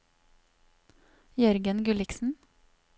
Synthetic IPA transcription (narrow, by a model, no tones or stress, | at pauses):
jœɾɡənɡʉlɪksn̩